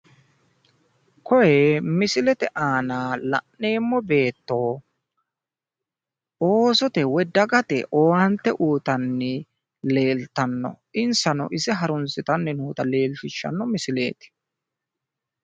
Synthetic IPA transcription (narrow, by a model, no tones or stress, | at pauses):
kɔjɛmɪsɪlɛt̪ɛʔaːnaːlɐ̰ʔːeːmːɔbe̞ːt̪ːoː | oːsɔt̪ɛwɔd̪ɐɡɐt̪ɛ̰ʔoːwɐnt̪ːɛʔuːt̪ɐnːɪ | le̞ːlt̪ɐnːɔ̰ | ɪnsɐnɔ̰ʔɪsɛɦɐɾʊnsɪt̪ɐnːɛnuːt̪ɐle̞ːlt̪ɪʃːɐ̰nːɔmɪsɪlḛːt̪ɪ̥